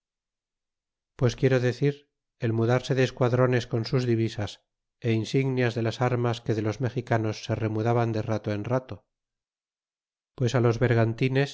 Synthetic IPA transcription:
pwe̞skjeɾoðe̞θiɾ | e̞lmuðaɾse̞ðeːskwaðɾo̞ne̞sko̞nsuzðiβisas | e̞insiɣnjazðe̞lasaɾmaske̞ðe̞lo̞zme̞χikano̞sːe̞re̞muðaβand̪e̞rat̪oenrat̪o̞ | pwe̞salo̞zβe̞ɾɣant̪ine̞s

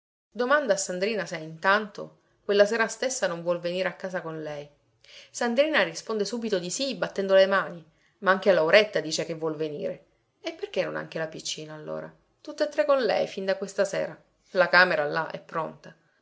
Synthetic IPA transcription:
d̪omand̪aːsːand̪ɾiːnasɛint̪ant̪o̰ | kwelːasɛːɾast̪esːanõɱvwɔlveniːɾeakːaːsakonlɛj | sand̪ɾiːnarispond̪esuːbit̪od̪isibat̪ːɛnd̪olemaːni | maaŋk̟ealːawɾet̪ːad̪iːt͡ʃekevːwɔlvenḭːɾe | epːerk̟enːona̰ŋk̟elapit͡ʃːiːnaːlːo̰ːɾa̰ | t̪ut̪ːet̪ːɾekːonlɛ̰jfind̪akwest̪asɛ̰ːɾa | lakaːmeɾalaʔɛ̰pːɾont̪a

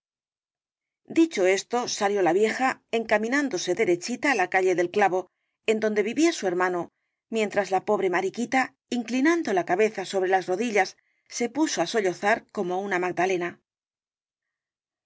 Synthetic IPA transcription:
d̪it͡ʃo̞e̞st̪o̞saljo̞laβje̞xae̞ŋkamĩnãnd̪o̞se̞ðe̞ɾe̞t͡ʃit̪aːlakaʎe̞ðe̞lklaβo̞ | e̞nd̪o̞nd̪e̞βiβiasue̞ɾmãno̞ | mje̞nt̪ɾazlapo̞βɾe̞maɾikit̪a | iŋklinand̪o̞lakaβe̞θaso̞βɾe̞lazro̞ðiʎasː | e̞puso̞aso̞ʎo̞θaɾko̞mo̞unamaɡ̚d̪ale̞na

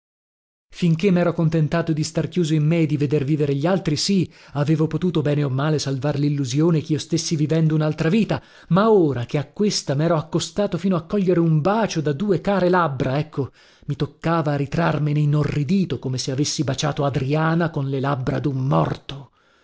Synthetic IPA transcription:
fiŋkemːɛːɾokont̪ent̪aːt̪od̪ist̪arkjuːzoimːed̪ːived̪erviːveɾeʎːialt̪ɾisi | aveːvopot̪uːt̪obɛːneomːaːlesalvaɾelilːuzjoːnekeiːost̪esːivivɛnd̪ounalt̪ɾaviːt̪a | maoːɾakeakːwest̪amɛːɾoakːost̪aːt̪ofiːnoakːɔʎːeɾeumbaːt͡ʃod̪ad̪uːekaːɾelabːɾaɛkʰːo | mit̪okːaːvaɾit̪ɾarmeneinːorːid̪iːt̪okomeseavesːibat͡ʃa̰ːt̪oad̪ɾiaːnakonlelabːɾad̪umːɔ̰rt̪o

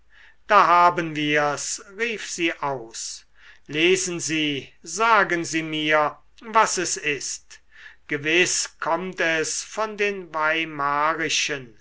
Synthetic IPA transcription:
d̥aːɦaːbənviːɐsʁiːfz̥iːʔaʊs | leːznziːzaːɡənziːmiːɐ | vasɛsɪst | ɡ̥əvɪskʰɔmtɛsfɔndeːnvaɪmaːʁɪʃən

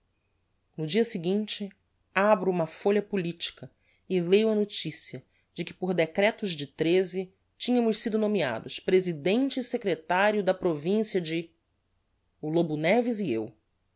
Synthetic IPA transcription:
nʊd͡ʒiɐsɪɡĩnt͡ʃɪ | abɾʊũmɐfoʎɐpulit͡ʃi̥kɐ | ɪlejuɐnot͡ʃisiɐ | d͡ʒɪkɪ̥poɾd̪ekɾɛt̪ʊzd͡ʒɪt̪ɾezɪ | t͡ʃĩɲɐ̃mʊʃsid̪ʊnõmia̰d̪ʊspɾezid̪ẽnt͡ʃɪsekɾet̪aɾjʊd̪ɐpɾovĩsiɐd͡ʒɪ | ulobunɛvɪziḛw

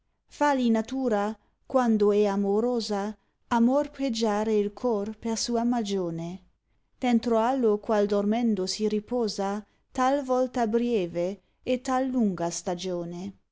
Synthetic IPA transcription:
falinat̪uːɾa | kwand̪oɛamoɾoːza | amorped͡ʒaːɾeilkʰɔrpersuːamad͡ʒoːne | d̪̥ɛnt̪ɾoalːokwald̪ormɛnd̪osiɾipɔːza | t̪alvɔlt̪abɾjɛːveː | t̪alːuŋɡast̪ad͡ʒoːne

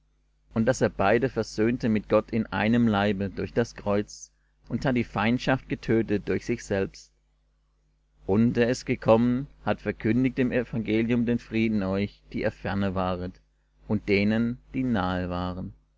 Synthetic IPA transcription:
ʔʊntd̥aseːɐbaɪdəfɛɐzøːntəmɪt̚ɡ̥ɔtʰɪnʔa̰ɪnəmlaɪbədʊɐçd̥askʁ̥ɔʏt͡s | ʔʊnthat̚d̥iːfaɪntʃaft̚ɡ̥ətʰøːtət̚d̥ʊɐçz̥ɪçz̥ɛlpst | ʔʊnteːɐɪstɡ̥əkʰɔmənhatfɛɐkʰʏndɪk̚tdɪmɛfaŋɡeːljʊmdeːnfʁ̥iːdn̩ɔʏçd̥iːʔeːɐfɛɐnəvaːʁət | ʔʊnt̚d̥eːnənd̥iːnaːəvaːʁən

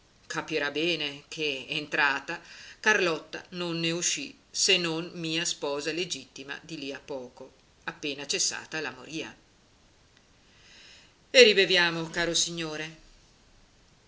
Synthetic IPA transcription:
kʰapiɾabɛːnekʰeːnt̪ɾaːt̪akarlɔt̪ːanonːeuʃːi | senːonmiːaspɔːzaled͡ʒit̪ːima̰d̪iliapːɔːko | apːeːnat͡ʃesːa̰ːt̪alamoɾiːa̰ | eribevjaːmokaːɾosiɲːoːɾe

